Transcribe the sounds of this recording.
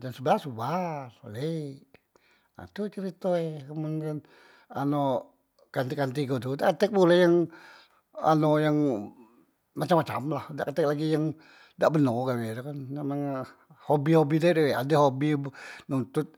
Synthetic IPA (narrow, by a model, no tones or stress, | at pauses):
dansəbəlasubarolei | na̰t̪ut͡ʃəɾit̪oekəmankan | ano | kant̪ikant̪iɡot̪udaʔkət̪ɛk̚bulɛjaŋ | a̰nojaŋ | mat͡ʃamːat͡ʃa̰mlahdaʔkət̪ɛk̚laɡijaŋ | daʔbənoɡabedukanmemaŋ | hobihobidaideweadɛɦobibnunt̪ʊt̪̚